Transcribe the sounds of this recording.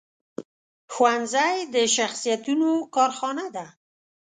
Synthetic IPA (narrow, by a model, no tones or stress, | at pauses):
xwand̪zajd̪əʃaxsijat̪unokɑɾxɑnad̪a